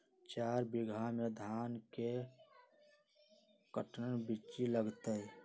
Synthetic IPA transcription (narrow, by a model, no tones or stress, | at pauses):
t͡ʃaːɾbɪɡʱamed̪ʱaːnke | kəʈnənbit͡ʃiləɡt̪ə